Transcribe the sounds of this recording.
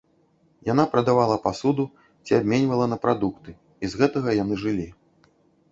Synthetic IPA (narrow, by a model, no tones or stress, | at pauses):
jan̪apɾɐd̪avalˠɐpasud̪u | t͡sʲiab̚ʲmʲenʲvɐlˠɐnɐpɾad̪ukt̪ɨ | izɣɛt̪ɐɣɐjanɨʐɨlʲi